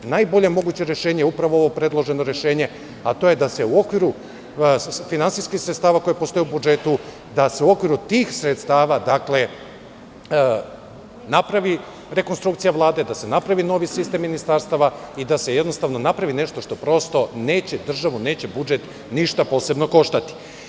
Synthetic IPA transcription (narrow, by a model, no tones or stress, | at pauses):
najbo̞ʎemo̞ɡut͡ɕe̞ɾje̞ʃe̞ːɲeupɾaʋoo̞ʋo̞pɾe̞d̪lˠo̞ʒe̞no̞ɾe̞ʃe̞ːɲe̞ | at̪o̞je̞d̪ase̞uo̞kʋiɾu | finantsiskixsɾet̪st̪aːʋako̞jepost̪o̞jubud͡ʒe̞t̪u | d̪ase̞uo̞kʋiɾut̪iːxsɾet̪st̪aːʋad̪akle̞ | napɾaʋi | ɾe̞ko̞nst̪ɾukt̪sijaʋlˠaːd̪e̞d̪ase̞napɾaʋino̞ʋisist̪e̞mːinist̪aɾst̪aʋaid̪ase̞jed̪no̞st̪aʋno̞napɾaʋine̞ʃt̪o̞ʃt̪o̞pɾo̞st̪o̞ne̞ːt͡ɕe̞d̪r̩ʒaʋune̞ːt͡ɕe̞bud͡ʒe̞t̪ | niʃt̪apo̞ːse̞bno̞ko̞ʃt̪at̪i̥